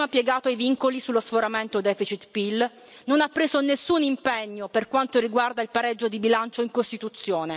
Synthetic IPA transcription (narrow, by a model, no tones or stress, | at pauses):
apːjɛɡaːt̪oajviŋkolisulːosfoɾament̪od̪ɛːfit͡ʃit̪pil | nonapːɾeːzonesːunimpɛɲːoperkwant̪oriɡward̪ailpaɾɛd͡ʒːod̪ibilant͡ʃoiŋkost̪it̪ut̪sːjoːne